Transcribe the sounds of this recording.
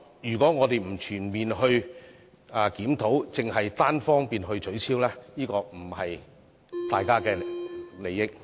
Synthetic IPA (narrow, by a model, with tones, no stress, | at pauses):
jyː˨˩kɔː˨˥ŋɔː˨˧t̪e˨jm̩˨˩t͡ʃʰyː˨˩nmiː˨nhɵ˧ɥ | aː˨˩kiː˨˥mt̪ʰo˨˥wt͡sɪ˨˩ŋɦɐ˨jt̪aː˥nfɔː˥ŋpiː˨nɦɵ˧ɥt͡sʰɵ˨˥ɥsʰiː˥wlɛː˥jiː˥kɔː˧m̩˨˩hɐ˨j | t̪aː˨jkaː˥kɛː˧le˨jːɪ˥k̚